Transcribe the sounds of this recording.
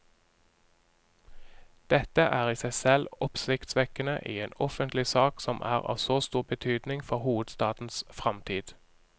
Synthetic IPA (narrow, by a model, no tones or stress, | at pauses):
d̪̥ɛt̪əʔæːʁiːsæɪsɛlɔpsɪkt̪sʋɛkənəʔḭːeːnɔfənt̪lɪsɑːksɔmʔæ̰ːʁɑ̰ːʋsoːst̪uːʁbət̪ʰyːd̪nɪŋfɔʁhuːʋəd̪st̪ɑːt̪n̩sfʁɑmt̪ʰiːd̪̥